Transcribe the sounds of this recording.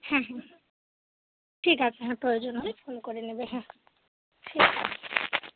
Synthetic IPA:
hãɦɛ̃ | ʈʰikazeɦãpɹojozɔnɦojpʰonkoɹinebeɦɛ̃ | tʰika

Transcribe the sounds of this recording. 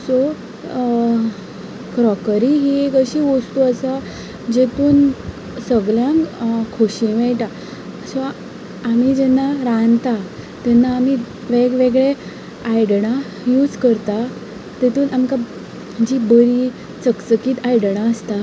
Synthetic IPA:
sɔ | kɾɔkɾiɦiekəɕiʋost̪uəsa | d͡ʑet̪uːn | səɡljãŋkkʰoɕĩʋɛɭʈa | əsɔ | amid͡ʑɛnːaɾãnt̪a | t̪ɛnːaːmi | ʋeɡʋeɡɭe | ajɽɳa | juːd͡zkəɾt̪a | t̪et̪uːnʔamka | d͡ʑiːbəɾi | t͡səkt͡səkiːt̪ajɽɳ̃aəst̪a

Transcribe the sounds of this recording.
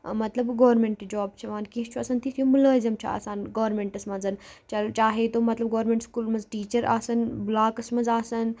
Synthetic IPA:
mɐt̪lɐbɡoːɾmeɳʈd͡ʒoːb̚t͡ʃʰɐʋaːnkiɦt͡ʃʰuɐsɐnt̪ʰit̪ʰjumulɐːzɐmt͡ʃʰɐ̰a̰ːsaːnɡoːɾmẽɳʈɐsmɐnzɐnt͡ʃɐlt͡ʃaːɦet̪oːmɐt̪lɐb̚ɡoːɾmẽɳʈskuːlmɐnzʈiːt͡ʃɐɾa̰ːsɐnblaːkɐsmɐnzaːsɐn

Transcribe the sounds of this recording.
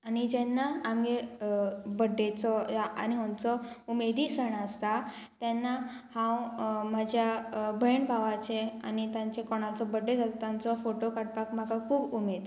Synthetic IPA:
anid͡ʑɛnːaːmɡe | bəɖet͡sɔaa̰niɦɔ̃nt͡sɔumed̪isəɳ̃aːst̪at̪ɛnːa | hãwmad͡ʑʱjabʱəjɳbʱaʋat͡ɕea̰nit̪jãɲt͡ɕekɔɽ̃at͡sɔbəɖed͡zat̪t̪ãnt͡sɔfoʈokaɽ̚pakm̤akakʰuːbumed̪

